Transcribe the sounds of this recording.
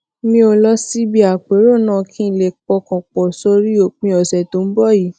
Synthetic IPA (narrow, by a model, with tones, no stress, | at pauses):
mĩ˧o˧lɔ˧si˦bi˦a˨k͡pe˨˦ɾo˦˨nãː˦˨kʰĩ˦˨le˨k͡pɔ˧kɔ̃˨k͡pɔ˨so˧ɾi˦o˨k͡pĩ˧ɔ˨sɛ˨to˨˦m̩˦bɔ˦˨ji˨˦